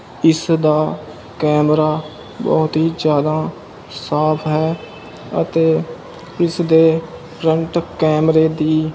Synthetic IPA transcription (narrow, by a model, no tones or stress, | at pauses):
ɪsd̪aː | kɛːmɾaː | bɔ̰ːt̪ɦiːd͡ʒjaːd̪aː | saːpʰɦɛː | ə̰t̪eː | ɪsd̪eːpʰɾəɳʈkɛːmɾeːd̪iː